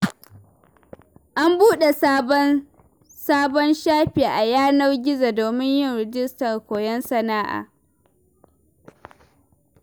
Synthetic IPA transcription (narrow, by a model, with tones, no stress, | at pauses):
ʔa˦mbuː˦ɗe˨sa˦ | saː˦bɔ˦nʃaː˦ɸeː˨ʔa˨jaː˦na˦wɡʲɪ˦za˨doː˨mɪ˦ɲjɪ˦˨nɾɛ˨d͡ʒɪ˦stɐ˨rkʷoː˨jɛ˦nsɐ˨naː˦ʔa̰ː˨